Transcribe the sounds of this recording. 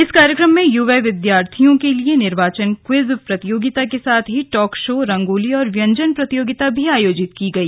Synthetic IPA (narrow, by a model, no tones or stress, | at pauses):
ɪskaːɾjəkɾəmːẽjuʋeʋɪd̪jaːɾt̪ʰijõkelienɪɾʋaːt͡ʃənkwɪzpɾɐt̪ɪjoːɡɪt̪akesaːt̪ʰɦiʈɔːkʃoːɾɐ̃ŋɡoːliɔːɾʋjɐ̃ɲd͡ʒənpɾɐt̪ijoːɡɪt̪abʱiaːjoːd͡ʒɪt̪kiɡɐiː